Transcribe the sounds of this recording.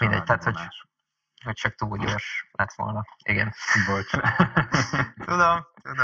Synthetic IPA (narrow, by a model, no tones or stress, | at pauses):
mind̪ɛ̰ɟ̚t̪ɛæaːt̪hoɟ | hoc̚t͡ʃɒk̚t̪uːlɟoʃlɛt̪ʋo̞̰lnɒiɡɛnibolt͡ʃ | t̪ud̪omt̪ud̪o